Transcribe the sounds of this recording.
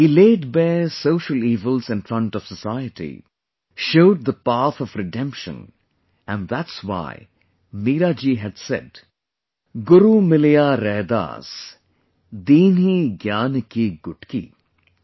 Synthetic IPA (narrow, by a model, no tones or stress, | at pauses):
hiːleːɖbeɪsoʊʃəliːvəlzɪ̃nfɾʌ̃nʈɔv̥səsaɪəʈḭ | ʃoʊd̚d̪əpaθɔvɾɪɖɛ̃mpʃə̰̃n | æ̃nðætswa̰ɪ | miːɾad͡ʒiɦɨdsɛ̰d | ɡʊɾumɪlijaɾeːd̪a̰ːs | d̪iːniɡjaːnkiɡʊʈkḭ